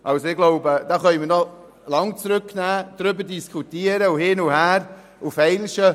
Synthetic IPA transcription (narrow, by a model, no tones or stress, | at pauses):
ʔɑlsoɪɡloʊbəd̥ɑːχœnmiːnɔ | lɑŋt͡sɾʏknæːd̥ɾʏbəɾdiskʰχutiəɾəʊhɪnʊhæːɾ | ʊfɛɪlʃə